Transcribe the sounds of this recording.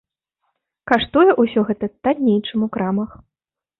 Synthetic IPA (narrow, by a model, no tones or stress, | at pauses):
kaʂt̪ɔjɛʔusʲɔɣɛt̪ɐt̪adʲnʲejt͡ʂɨmukɾamɐx